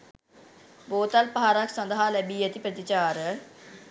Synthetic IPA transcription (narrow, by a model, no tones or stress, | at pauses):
boːt̪əlpəɦaːɾakʰsə̃nd̪ɦaːlɛbiːət̪ipɾət̪it͡ʃaːɾ